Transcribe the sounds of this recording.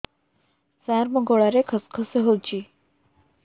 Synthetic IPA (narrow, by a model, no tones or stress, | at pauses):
saɾməɡoɭaɾekʰəskʰəseɦot͡ɕiː